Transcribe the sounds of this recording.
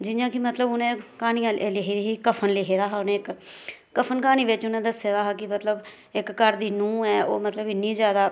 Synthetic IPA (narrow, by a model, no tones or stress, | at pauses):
d͡ʒɪjãːkɪmət̪ləbʊnẽːkaːniːãːelɪɦiːd̪iːɦiːkəpʰənlɪɦeːd̪aːɦaːʊnẽːkː | əpʰənkaːniːʋɪt͡ʃʊnẽːd̪əseːd̪aːɦaːkɪmət̪ləb | ɪkːəɾd̪iːnũːɛːo̰ːmət̪ləbɪnːĩːzjaːd̪aː